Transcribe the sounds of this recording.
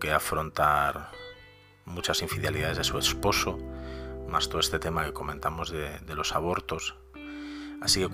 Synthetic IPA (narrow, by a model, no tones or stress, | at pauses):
keafɾo̞nt̪aɾ | mut͡ʃasiɱfiðeliðaðe̞zðe̞suespo̞so | mast̪oest̪e̞t̪e̞make̞ko̞mẽnt̪amo̞zðed̪e̞lo̞saβ̞o̞ɾt̪o̞s | asike̞k